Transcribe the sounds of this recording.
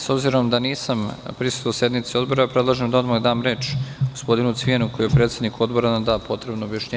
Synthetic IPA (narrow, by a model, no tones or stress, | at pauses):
so̞bziɾo̞md̪aniːsampɾisu̥t̪osje̞d̪mit̪sio̞d̪bo̞ɾapɾe̞d̪lˠaʒemd̪aod̪maɡd̪aːmɾe̞ːt͡ʃɡospo̞d̪inut̪sʋijenuko̞jijepɾet̪se̞d̪nikuo̞d̪bo̞ɾanamd̪aːpo̞t̪ɾe̞bnoːbjaʃɲe